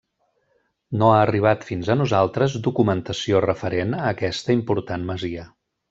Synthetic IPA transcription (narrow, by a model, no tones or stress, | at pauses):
noaːriβ̞at̪finzənuzalˠt̪ɾəzd̪ukumənt̪əsiorəfəɾenəːkɛst̪əimpuɾt̪anməziə